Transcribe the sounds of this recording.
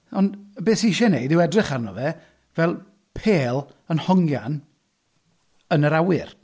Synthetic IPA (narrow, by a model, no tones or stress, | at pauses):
ɔndbeːsiɪʃɛnejdɪwɛdrɪχarnɔ̰vɛ | vɛlˠ | pʰeːlˠ | ənhɔŋja̰n | ənəɾawɪr